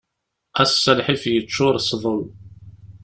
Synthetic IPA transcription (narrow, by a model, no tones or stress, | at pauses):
æsːælħifjət͡ʃːʊɾˤsˤðˤol